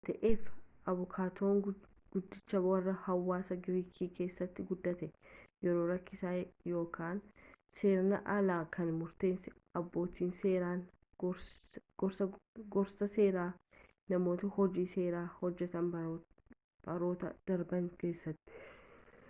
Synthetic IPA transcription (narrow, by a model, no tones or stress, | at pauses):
t̪ɐʔeːfʔɐβʊkʰaːt̪ʰo̞ːŋ | ɡ̥ʊd̪ːɪt͡ʃːɐwɐrːɐhɐwːaːsɐɡɪɾiːkʰiːke̞ːsːɐt̪ːɪɡʊd̪ːɐt̪ɛjɛɾo̞ːɾɐkːɪsaːjo̞ːkaːn | seːɾɐnɐ̰ʔɐlaːkʰɐnmʊɾt̪e̞ːnsɪɐbːo̞ːt̪iːnseːɾaːn | ɡɾsɡɔɾsɐse̞ːɾaː | nɐmo̞ːt̪ɐhɔd͡ʒiːse̞ːɾaːhɔd͡ʒːɛt̪ɐnb | bɐɾo̞ːt̪ɐ̰d̪̥ɐɾbɐŋke̞ːsːɐt̪ːɪ̥